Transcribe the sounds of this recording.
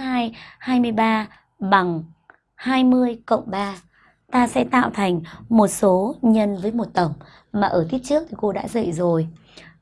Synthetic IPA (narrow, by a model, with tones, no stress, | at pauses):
haː˧jhaː˧jmɨ˧əjɓaː˧ | ɓa˨˩ŋ | haː˧jmɨ˧əjkə̰˧˨wŋ͡mɓaː˧ | t̪aː˧sɛ̰˧˥t̪a̰ː˧˨wt̪ʰa˨˩jŋ̟mo˨˩t̚so˨˦ɲə˧nvəː˨˦jmo˨˩t̚t̪ə˧˩wŋ͡m | maː˨˩ʔəː˧˩t̪ʰi˦˥t̚t͡ɕɨ˦˥ək̚t̪ʰi˨˩ko˧ɗa̰ː˧˥zə̰˧˨jzo˨˩j